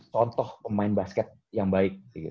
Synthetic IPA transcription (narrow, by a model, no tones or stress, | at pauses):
t͡ʃɔnt̪ɔhpəmaɪnbaskɛt̪̚jaŋbaɪk̚iɡi